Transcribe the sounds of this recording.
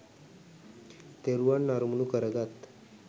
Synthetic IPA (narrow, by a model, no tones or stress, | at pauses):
t̪eɾuaɳːaɾumnukəɾəɡat̪